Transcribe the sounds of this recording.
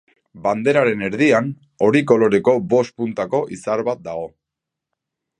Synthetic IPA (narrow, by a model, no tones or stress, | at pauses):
band̪e̞ɾaɾe̞ne̞ɾðian | o̞ɾiko̞lo̞ɾe̞ko̞bo̞st̪̚punt̪ako̞ʔisaɾβat̪̚d̪aɣo̞